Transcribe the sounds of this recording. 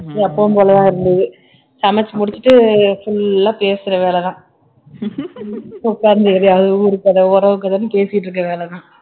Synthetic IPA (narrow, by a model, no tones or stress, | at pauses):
ɐpːoːmpoːlɐjaːɪɾɯnd̪ɯðɯ | sɐmɛt͡ʃːmʊɽɪt͡ʃːɯʈːɯfʊlːaːpeːsɪɾɐʋeːlɛðãː | ʊkːaːɾɯnd̪ɯɐɾjaːʋðɯɾɯkːɐðɐɔɾɐʋɯk̬ːɐðanːɯpeːsɪjɪʈːɾɯk̬ːɐʋeːlɛt̪ãː